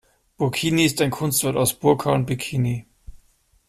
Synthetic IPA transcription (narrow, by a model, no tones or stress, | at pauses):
b̥ʊɐkʰiːniɪstaɪnkʰʊnstv̥ɛɐtaʊsb̥ʊɐkʰaːnbɪkʰiːni